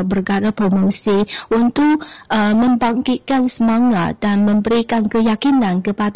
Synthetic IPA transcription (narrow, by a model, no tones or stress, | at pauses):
bərɡaɾapɾomosiʔunt̪ʊkəmə̃mbaŋkit̪̚kansəmaŋat̪̚d̥anmə̃mbəɾikankəjakinãnkəpad